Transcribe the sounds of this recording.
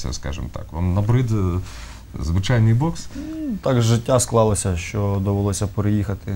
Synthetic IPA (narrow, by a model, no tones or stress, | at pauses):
ɐ̰skɑ̰ʒɪ̰mt̪ɑ̰kʋa̰mnɐbɾɪd̪ | zʋɪt͡ʃɑjnɪjbɔkst̪ɑɡzʒɪtʲːasklˠɑlˠɐsʲɐʃt͡ʃɔd̪ɔʋelˠɔsʲɐpeɾejixɐt̪ɪ